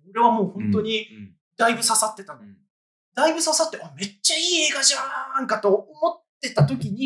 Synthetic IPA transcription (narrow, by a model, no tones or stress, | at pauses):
oɾe̞β̞amo̞ːhõ̞nt̪o̞ɲ̟i | d̪̥aibɯ̟sasat̪ːe̞t̪an | d̪̥aibɯ̟sasat̪ːe̞ame̞t͡ɕːaiːe̞ːɡaʑãŋkat̪o̞omo̞t̪ːe̞t̪at̪o̞kʲiɲ̟i